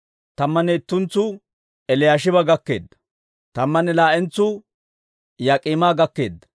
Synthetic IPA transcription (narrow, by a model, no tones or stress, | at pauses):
t̪ɐmːɐnɛɪt̪ːʊnt͡sːʊ | ɛlɪjaːʃ̬ɪbɐɡɐkːe̞̰ːd̪ːɐ̥ | t̪ɐmːɐnɛlaːʔɛnt͡sːʊ | jɐkʼimaːɡɐkːe̞ːd̪ːɐ̥